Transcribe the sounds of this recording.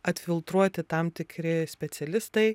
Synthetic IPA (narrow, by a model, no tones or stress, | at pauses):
ɐt̪ʲfʲɪlˠt̪ɾuɔt̪ʲɪt̪ɐmt̪ʲɪkɾʲɪsʲpʲɛt̪sʲɛlʲɪst̪ɐɪ